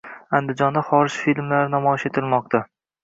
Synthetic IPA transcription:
and̪ɪd͡ʒɒnd̪aχɒɾɪʃfilmlaɾɪnɒmɒɪʃet̪ʰɪlmɒq̚t̪ʰa

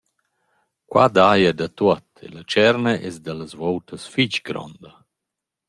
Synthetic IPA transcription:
kwad̪ajadat̪uɔt̪ḛlat͡ʃɛɾnaʔɛ̰sd̪alazvowtəsfit͡ʃɡɾɔ̰nd̪ɐ

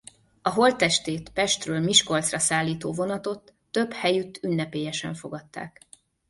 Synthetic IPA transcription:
ɒɦo̞lt̪ɛʃt̪eːt̪pɛʃt̪røːlmiʃko̞lt̪srɒsaːlːiːt̪oːvo̞nɒt̪o̞t̪ːø̞bhɛjyt̪ːynːɛpeːjɛʃɛ̰ɱfo̞ɡɒt̪ːa̰ːk

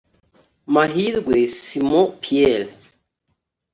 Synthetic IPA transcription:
maɦiðɡwesimɔpʰiɛl

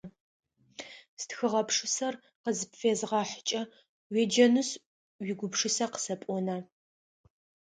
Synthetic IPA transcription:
stxɨʁɐpʂɨsɐr | qəzpfeːzʁɑːħət͡ʃʼɐ | wed͡ʒɐnɨs | wiɡʷʊpʂɨsɐqə̥sɐpʷʼɔnɐ

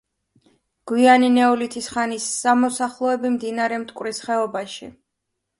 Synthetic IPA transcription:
ɡ̥wianinɛɔlit̪ʰisχanisːamɔsaχlˠɔɛbimd̪inaɾɛmt̪ʼkʼwɾisχɛɔbaʃḭ

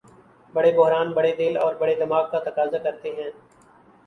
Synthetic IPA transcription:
bɐɽebʊɦɾaːnbɐɽed̪ɪlɔːɾbɐɽed̪ɪmaːɡ̚kat̪ɐkaːzakɐɾt̪eɦɛ̃ː

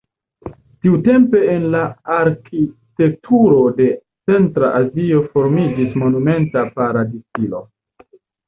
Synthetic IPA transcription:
tiute̞mpe̞ːnlaaɾkite̞k̚tʰuɾo̞de̞ | t͡se̞ntɾaʔazio̞fo̞ɾmid͡ʒismo̞nume̞ntapaɾadisilo̞̰

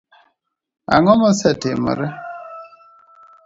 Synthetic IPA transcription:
a̰ŋɔmɔsɛtemɔ̰ɾɛ

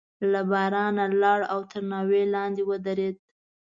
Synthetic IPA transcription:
labɑɾɑnalɑɽawt̪əɾnɑwelɑnd̪ewəd̪aɾed̪̥̚

